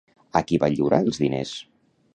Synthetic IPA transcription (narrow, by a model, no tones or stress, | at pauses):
əkiβaʎiwɾaəlˠzðinḛs